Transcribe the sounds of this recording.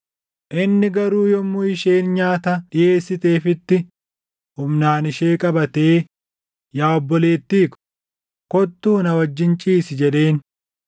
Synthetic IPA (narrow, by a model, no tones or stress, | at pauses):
ʔɪnːɪɡɐɾuːjɔmːʊɪʃe̞ːnɲaːt̪ɐᶑɪje̞ːsːɪt̪e̞ːfɪt̪ːɪ | hʊmnaːnɪʃe̞ːkʼɐbɐt̪e̞ː | jaːɔbːɔle̞ːt̪ːiːkʊ̥ | kɔt̪ːuːnɐwɐd͡ʒːɪnt͡ʃʼiːsɪd͡ʒɛᶑe̞ːn